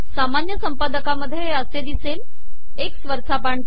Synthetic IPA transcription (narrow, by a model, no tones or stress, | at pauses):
samanjəsəmpad̪əkaməd̪ʱːjeəsed̪isel | eksʋəɾt͡sapaɳ